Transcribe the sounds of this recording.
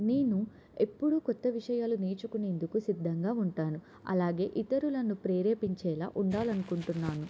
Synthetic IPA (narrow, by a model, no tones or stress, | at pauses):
ne̞ːnu | e̞pːuɽukɔt̪ːɐʋiʂɐjaːluneːt͡ʃukune̞ːnd̪ukusid̪ʱːɐŋɡaːuɳʈaːnu | ɐ̰laːɡe̞ːʔit̪ɐɾulɐnupɾeːɾeːpiɲt͡ʃɛːla̰ːʔuɳɖaːlɐnukuɳʈunːaːnu